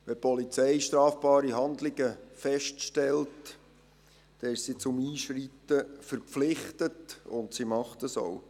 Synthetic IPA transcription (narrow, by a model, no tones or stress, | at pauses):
ʋɛpʰɔlit͡sɛɪʃtɾɑːfb̥ɑːɾiɦɑndlɪɡəfɛʃtʃtɛlt | d̥ɛɪʃsit͡sʊmiːʃritəfəɾpflɪχtətʊntsimɑχtəso̰ʊ